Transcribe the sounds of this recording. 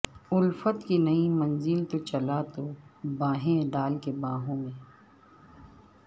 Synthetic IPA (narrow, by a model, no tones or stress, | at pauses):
ʊlfət̪kinɐimɐnzɪlt̪ot͡ʃɐlat̪obãːɦẽɖaːlkebãːɦõmẽː